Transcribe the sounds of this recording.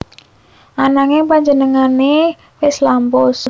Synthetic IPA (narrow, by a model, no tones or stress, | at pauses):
ʔanaŋepaɲd͡ʒənəŋane | wɪslampɔs